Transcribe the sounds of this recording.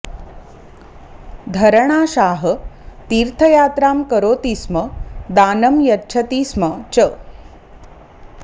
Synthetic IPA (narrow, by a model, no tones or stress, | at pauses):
d̪ʱɐɾɳ̃aːʃaːɦət̪iːɾt̪ʰəjaːt̪ɾaːmkəɾoːt̪iːsməd̪aːnəmjɐtːt͡ʃʰɐt̪iːsmət͡ʃə